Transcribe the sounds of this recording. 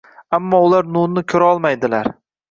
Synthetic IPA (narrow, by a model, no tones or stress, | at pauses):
amːɒʊlaɾnʊnnɪkʲʰɵɾaɒlˠmajd̪ɪlaɾ